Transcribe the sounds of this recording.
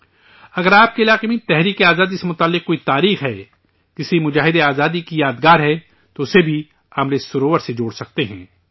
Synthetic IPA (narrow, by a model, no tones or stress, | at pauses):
ɐɡəɾaːp̚keɪlaːqemẽt̪ɛɦɾiːkeaːzaːd̪isemʊt̪aːlːɪq̚koːit̪aːɾiːxɦɛː | d͡ʒɪsimʊd͡ʒaːɦɪd̪eaːzaːd̪ikijaːd̪ɡaːɾɦɛ | t̪oʊsebʱi | amlesʊɾoːʋəɾsed͡ʒoːɽsɐk̚t̪eɦɛ̃ː